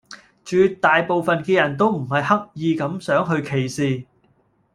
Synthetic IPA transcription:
t͡ʃyː˨˧t̪aː˨jpo˨wfɐ˨nkɛː˧jɐ˨˩nt̪o˥wm̩˨˩hɐ˨jhɐ˥k̚jiː˨˧kɐ˨˥msœː˨˥ŋɦɵ˧ɥkʰe˨˩jsiː˨

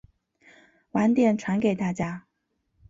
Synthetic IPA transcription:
wa˧˥nt̪jɛ˥˩nʈ͡ʂʰwa˧˥nke˨˩ɪt̪a˥˩t͡ɕja˥

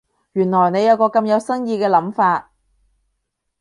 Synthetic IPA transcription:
jyː˨˩nlɔː˨˩jne˨˧jɐ˨˧wkɔː˧kɐ˧mjɐ˨˧wsɐ˥ŋjiː˧kɛː˧lɐ˨˥mfaː˧t̚

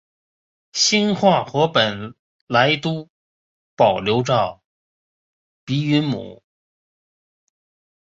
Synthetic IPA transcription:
ɕi˥nxwa˥˩xɤ˧˥pə˨˩n | la˧˥ɪt̪u˥ | pɑ˨˩ʊljo˧˥ʊʈ͡ʂɑ˥˩ʊ | pi˧˥y˧˥nmṵ˨˩˦

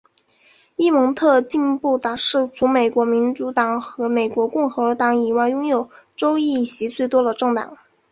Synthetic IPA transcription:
i˥mɤ˧˥ŋt̪ʰɤ˥˧t͡ɕi˥˧npu˥˩t̪a˨˩ʂɻ̩˥˩t͡sʰu˧˥me˨˩ɪkwɔ˧˥mi˧˥nt͡su˧˥t̪ɑ˨˩ŋxɤ˧˥me˨˩ɪkwɔ˧˥kʊ˥˩ŋxɤ˧˥˧t̪ɑ˧˥ŋi˨˩wa˥˩ɪjʊ˥ŋjo˨˩ʊ | ʈ͡ʂo˥ʊi˥˩ɕi˧˥t͡swe˥˩ɪt̪wɔ˥d̪ə˨ʈ͡ʂɤ˥˩ŋt̪ɑ̰˨˩˦ŋ

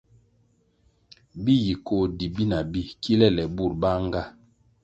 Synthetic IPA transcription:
bi˦ji˨ko˦˨di˨bi˦na˨bi˦kʰi˦lɛ˦˨lɛ˨bu˦˨ɾba˦ŋ˦ɡa˦

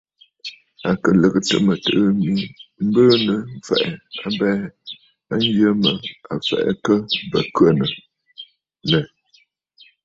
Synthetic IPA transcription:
a˨kə˨lə˨kɨ˨tə̰˨mə˨tɨ˦˨ʔɨ˦mi˦m̩˦bəː˦nə˨˦fɛ̰˨ʔɛ˨a˦bɛː˦ | a˦n˦d͡ʒə˦mə˨a˨fɛ̰˨ʔɛ̰˦kə˦bə˨kɥə˦˨nə˨ | lɛ˨

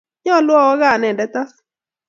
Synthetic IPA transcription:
ɲɔ˦lwɔ˦wɔ˦ɣa˨nɛ˨dɛ˨˦t̪a˦s

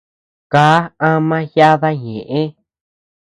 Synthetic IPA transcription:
kaː˨˦ã˦mã˦hja˦ða˦ɲẽ˨ʔẽ˦

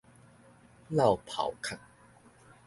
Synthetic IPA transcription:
la˥˨˩wpʰa̰˨˩˦wkʰa˥˨˩ŋ̚

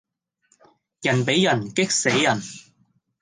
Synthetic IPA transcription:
jɐ˨˩npe˨˥jjɐ˨˩nkɪ˥k̚se˨˥jjɐ˨˩n

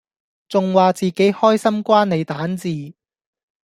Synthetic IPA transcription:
t͡sʊ˨ŋwaː˨t͡siː˨˩ke˨˥jhɔː˥jsɐ˥mkʷaː˥nne˨˧jt̪aː˨˥nt͡siː˨

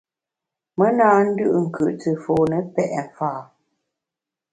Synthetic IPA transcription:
mə˦naː˦n̩˦dʉ˦ʔŋ̩˨kʉ˨ʔt͡sə˨foː˨nə˨pɛ˦˨ʔɛ˨faː˦˨

